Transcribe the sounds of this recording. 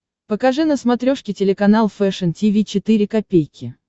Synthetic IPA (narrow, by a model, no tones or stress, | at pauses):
pəkɐʐɨnəsmɐt̪ɾʲoʂkʲɪtʲɪlʲɪkɐnalˠfɛʂəntʲivʲit͡ɕɪt̪ɨɾʲɪkɐpʲejkʲɪ